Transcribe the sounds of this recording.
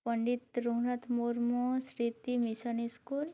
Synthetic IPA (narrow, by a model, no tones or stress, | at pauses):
pəɳɖit̪ɾuɦɳət̪ʰmuɾmosɾit̪imisɔniskul